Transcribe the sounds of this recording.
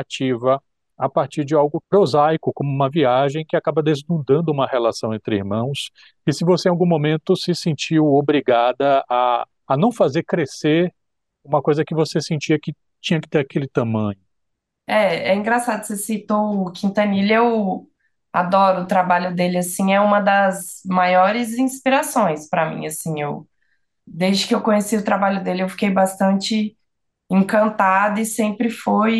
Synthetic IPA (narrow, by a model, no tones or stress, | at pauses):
at͡ʃivɐ | apaɾt͡ʃiɾd͡ʒɪawɡʊpɾozajkʊkõmʊũmɐviaʒẽj̃kɪakabɐd̪eznud̪ɐ̃nd̪ʊũmɐhelasɐ̃w̃ẽnt̪ɾɪiɾmɐ̃w̃s | ɪsɪvosẽĩawɡũmõmẽnt̪ʊsɪsẽnt͡ʃiwobɾiɡad̪ɐː | nɐ̃w̃fazeɾkɾeseɾ | ũmɐkojzɐkɪvosesẽnt͡ʃiɐkɪ | t͡ʃĩɲɐkɪt̪eɾakelɪt̪ɐ̃mɐ̃ɲʊ | ɛɛĩŋɡɾasad̪ʊsesit̪oʊkʰĩnt̪ɐnilew | a̰d̪ɔɾʊːt̪ɾabaʎʊd̪elɪasĩɛũmɐd̪ɐzmajɔɾɪzĩspiɾasõj̃spɾɐmḭ̃asĩew | d̪ezd͡ʒɪkɪewkõɲesiʊt̪ɾabaʎʊd̪elɪewfi̥kejbast̪ɐ̃nt͡ʃɪ | ẽkɐ̃nt̪ad̪ʊɪsẽmpɾɪfuj